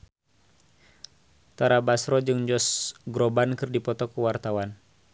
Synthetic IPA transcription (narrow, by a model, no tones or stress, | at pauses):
t̪aɾabasɾɔd͡ʒɨŋd͡ʒɔsɡɾɔbankɨrdipɔt̪ɔkuwart̪awan